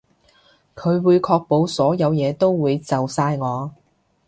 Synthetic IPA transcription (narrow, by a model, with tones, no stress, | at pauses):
kʰɵ˨˧ɥwuː˨˧jkʰɔː˧k̚po˨˧wsɔː˨˥jɐ˨˧wjɛː˨˧t̪o˥wwuː˨˧jt͡sɐ˨wsaː˧jŋɔː˨˧